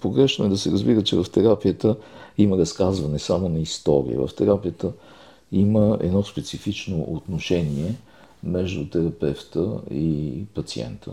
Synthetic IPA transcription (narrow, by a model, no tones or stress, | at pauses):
poɡɾɛʃnʊɛd̪ɐsɛɾəzbiɾət͡ʃɛvɐft̪ɛɾapijət̪əiməɾɐskazvɐnɛsamonɐist̪ɔɾḭə̰və̰ft̪ɛɾapijət̪ə | iməɛ̰d̪nɔspɛt̪sifit͡ʃnoʔot̪noʃɛniɛ | mɛʒd̪ʊt̪ɛɾɐpɛft̪əipɐt̪siɛ̰nt̪ʰə̰